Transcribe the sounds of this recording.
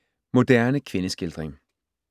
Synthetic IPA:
mo̝d̥æɐnəkʰʋe̝nəsɡ̥eld̥ʁeŋ

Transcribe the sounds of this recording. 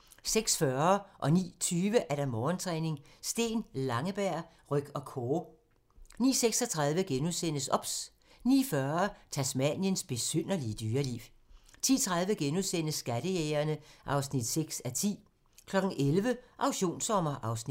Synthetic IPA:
seɡ̥sfɶɐʔɒ̽nḭːt͡sʰyːʋəʔæɐɾ̥ɑ̈mɒːnt͡sʰʁɛːne̝ŋsd̥e̝̰ːnlɑ̈ŋəb̥æɐ̰ | ʁœɡ̥ɒ̽kʰoː | nḭːseɡ̥sɒt͡sʰʁɑ̈ðˠʋəɡ̥enuðˠsen̰əsɒ̽b̥s | nḭːfɶɐɐt͡sʰæsmænjənsb̥e̝søn̰ɐliəd̥yːɐlḭʊ | t͡sʰḭːt͡sʰʁɑ̈ðˠʋəɡ̥enuðˠsen̰əsːɡ̥æd̥əjeːɐnəʔɑ̈ʊsnid̥seɡ̥sæt͡sʰḭː | kʰlɒ̽ɡ̥n̩ʔelʋəʔɑ̈ʊɕo̝̰ːnsɒ̽mɐʔɑ̈ʊsnid̥

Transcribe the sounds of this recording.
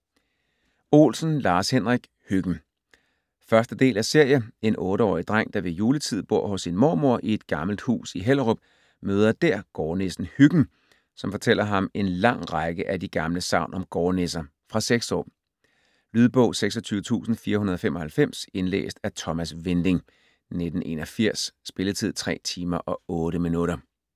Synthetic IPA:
o̝̰ːlsn̩lɑ̈ːshenʁiɡ̥ | hyɡ̥n̩ | fɶɐsd̥əd̥e̝̰ːlæse̝ɐ̰jəe̝nʔɔ̽ːɾəɒ̰ːid̥ʁaŋ̰d̥ɑ̈ʋe̝juːlət͡sʰið̞̰ˠb̥o̝ɐ̰hɔ̽sːinmo̰ːmo̝ɐ̰ʔie̝d̥ɡ̥ɑ̈ml̩d̥hṵːsiɦel̰əʁob̥ | møːð̞ˠɐd̥æɐ̰ɡ̥ɒːne̝sn̩hyɡ̥n̩ | sɒ̽mfɒ̽t͡sʰel̰ɐɦɑ̈me̝nlɑ̈ŋ̰ʁɑɡ̥əʔæd̥iɡ̥ɑ̈mləsɑ̈ʊ̰nɒ̽mɡ̥ɒːne̝sɐ | fʁɑ̈seɡ̥sɒ̰ː | lyːð̞ˠb̥ɔ̽ʊ̰seɡ̥sɒt͡sʰyːʊət͡sʰṵːsn̩fiːɐhunɐðˠfemɒ̽hælfem̰se̝nlḛːsd̥æt͡sʰɒ̽mæsʋend̥e̝ŋ | ned̥n̩ʔe̝̰ːnɒfiɐ̰sːb̥e̝lət͡sʰið̞̰ˠt͡sʰʁɛ̰ːt͡sʰiːmɐʔɒ̽ɔ̽ːɾəminuɾɐ

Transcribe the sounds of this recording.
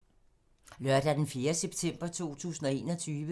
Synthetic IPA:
lɶɐ̰d̥æd̥enfje̝ːɐseb̥t͡sʰem̰b̥ɐt͡sʰo̝̰ːt͡sʰṵːsn̩ɒ̽e̝̰ːnɒ̽t͡sʰyːʋə

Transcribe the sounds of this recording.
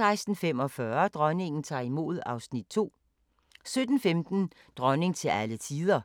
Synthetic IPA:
ɑ̈ɪsd̥n̩femɒ̽fɶɐd̥ʁɶne̝ŋn̩t͡sʰɑ̰̈ːimo̝̰ð̞̩ˠɑ̈ʊsnid̥̚t͡sʰo̝̰ː | sød̥n̩femd̥n̩ | d̥ʁɶne̝ŋt͡sʰe̝lælət͡sʰiːð̞ˠɐ

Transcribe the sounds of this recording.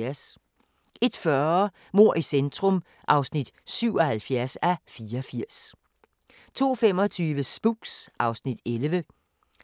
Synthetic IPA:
æɐs | ʔe̝d̥fɶ | mo̝ɐ̰ʔisend̥ʰʁɔ̽m | ʔɑ̈ʊsnid̥syʊɒhælfjæɐsæfiːɐɒfiɐ̰s | t͡sʰo̝̰ːfem̰ɒ̽t͡sʰyːʋəsb̥uɡ̥sʔɑ̈ʊsnid̥elʋə

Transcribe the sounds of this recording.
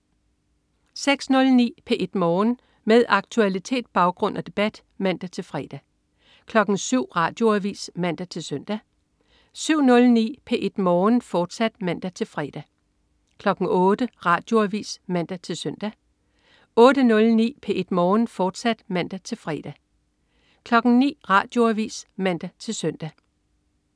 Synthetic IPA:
seɡ̥snɔ̽lnḭːpʰeʔe̝d̥mɒːn | meðˠɑ̈ɡ̥t͡sʰuælit͡sʰe̝̰ːd̥̚b̥ɑ̈ʊɡ̥ʁɔ̽n̰ʔɐd̥e̝b̥æd̥ | mæn̰d̥æt͡sʰe̝lfʁɛːd̥æ | kʰlɒ̽ɡ̥n̩syʊ̰ʁɑ̈ːd̥jo̝æʋḭːsmæn̰d̥æt͡sʰe̝lsœn̰d̥æ | syʊ̰nɔ̽lnḭːpʰe̝ʔe̝d̥mɒːnfɒːd̥sæd̥mæn̰d̥æt͡sʰe̝lfʁɛd̥æ | kʰlɒ̽ɡ̥n̩ɔ̽ːd̥əʁɑ̈ːd̥jo̝æʋḭːsmæn̰d̥æt͡sʰe̝lsœn̰d̥æ | ɔ̽ːd̥ənɔ̽lnḭːpʰe̝ʔed̥mɒːnfɒːd̥sæd̥mæn̰d̥æt͡sʰe̝lfʁɛd̥æ | kʰlɒ̽ɡ̥n̩nḭːʁɑ̈d̥jo̝æʋḭːsmæn̰d̥æt͡sʰe̝lsœn̰d̥æ

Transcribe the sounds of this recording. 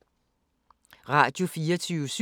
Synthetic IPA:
ʁɑ̈d̥jo̝fiːɐt͡sʰyːʊs

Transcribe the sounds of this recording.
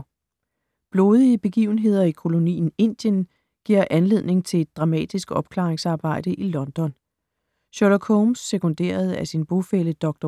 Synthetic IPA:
b̥lo̝ːð̞ˠiəb̥e̝ɡ̥ḭʊn̩ɦe̝ð̰ˠɐikʰo̝lo̝nḭːn̩e̝n̰d̥jən | ɡ̥iɐ̰ʔænle̝ð̞̰ˠne̝ŋt͡sʰe̝le̝d̥̚ːʁɑ̈mɛ̰ːd̥isɡ̥ɒ̽b̥̚kʰlɑ̈ːʁeŋsɑ̈ːb̥ɑ̈ɪ̰ɾ̥əʔilɒ̽nd̥ɒ̽n | ɕɒlɒkʰoʊmsːekʰo̽nd̥e̝̰ːɐð̞̩ˠæsinb̥o̝feləd̥ɒ̽ɡ̥̚d̥ɒ

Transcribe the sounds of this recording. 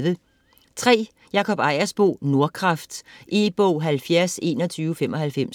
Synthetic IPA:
ðə | t͡sʰʁɛ̰ː | jɑ̈kʰɒ̽b̥ɑ̈ɪ̰ɐsb̥o̝̰ːno̝ɐkʰʁɑ̈fd̥ʔib̥ɔʊ̰ɦælfjæɐse̝̰ːnɒt͡sʰyːʊfem̰ɒ̽hælfem̰

